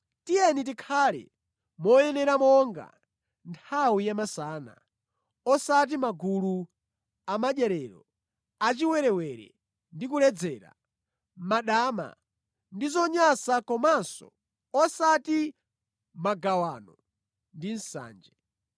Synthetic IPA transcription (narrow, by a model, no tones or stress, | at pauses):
tijɛnit̬ikʰaːlɛ̰ | mɔjɛnɛɾamɔŋɡa̰ | ntʰawijamasaːna̰ | ɔsat̬imaɡulu | amaʄjɛɾɛɾɔ̰ | at͡ʃiwɛɾɛwɛɾɛ̰ | ndikulɛd͡zɛːɾa̰ | maɗaːma̰ | ndizɔɲasakɔmansɔ̰ | ɔsati | maɡawaːnɔ | ndin̩sa̰ːnd͡ʒɛ